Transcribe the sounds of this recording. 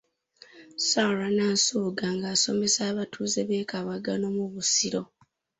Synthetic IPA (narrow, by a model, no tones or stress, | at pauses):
saɾanaːsoːɡaŋɡaːso̞me̞saːβatʰuːzeβeːkaβaɡano̞muβusiɾo̞